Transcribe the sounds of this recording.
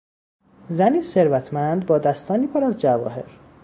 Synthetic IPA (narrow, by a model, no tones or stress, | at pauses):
zæniːse̞ɾvæt̪ʰmænd̪bɒːd̪æst̪ɒːniːpʰoɾæzd͡ʒævɒ̰ːɦe̞̰ɾ